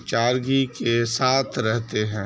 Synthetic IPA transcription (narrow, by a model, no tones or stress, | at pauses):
t͡ʃaːɾɡikesaːt̪ʰɾɛɦt̪eɦɛ̃ː